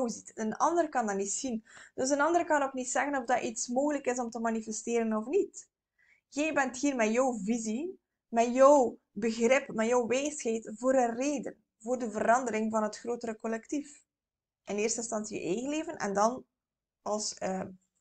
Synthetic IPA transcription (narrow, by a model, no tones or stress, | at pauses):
wzitənɑ̰ndəɾəkɑndɑnitsind̥øs̬ənɑndəɾəkɑnoknitsɛɣənɔvdɑʔitsmoːɣələkɪzɔmtəmanifɛsteːɾənɔfnit | jɛjbɛnthiːrmɛjɔwvizi | mɛjɔw | bəɣrɪpmɛjɔwʋeːsxɛːtvoːɾəreːdə̰n | voːrdəvəɾɑndəɾɪŋvɑnɦətxroːtəɾəkɔlɛktif | ʔɪneːrstɪnstɑnsijə̰ʔeːɣənleːvənʔɛ̰ndɑn | ɑlˠsəː